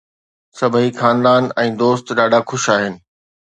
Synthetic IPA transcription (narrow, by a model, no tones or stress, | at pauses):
sɐbʱixaːnd̪aːnɛ̃ːd̪oːst̪ɗaːɖʱaxʊʃaːɦɪnɪ̆